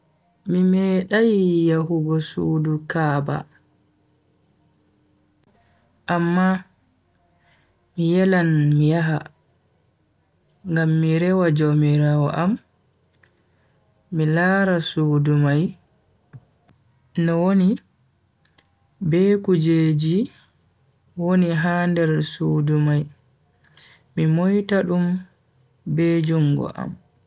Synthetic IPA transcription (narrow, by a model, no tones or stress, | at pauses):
mimɛːɗajjaɦuɡɔsuːdukaːba̰ | ʔamːa | mijɛlanmijaɦa | ŋɡamːiɾɛwad͡ʒomiɾawɔ̰ʔam | ilaːɾasuːdumaj | nɔwoni | bɛːkud͡ʒeːd͡ʒi | woniɦandɛɾsuːdumaj | mimɔjtaɗum | bɛd͡ʒuŋɡɔ̰ʔa̰m